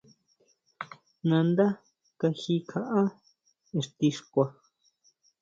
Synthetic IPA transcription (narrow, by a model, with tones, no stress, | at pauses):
nã˧nd̪a˦ | ka˧xi˧kʰa˧ʔa˦ | e˧ʂt̪i˧ʂkʷa˧